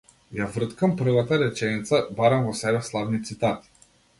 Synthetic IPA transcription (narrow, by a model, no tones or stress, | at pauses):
javr̩t̪kampr̩vat̪aɾɛt͡ʃɛnit̪sabaɾamvɔsɛbɛslˠavnit̪sit̪at̪i̥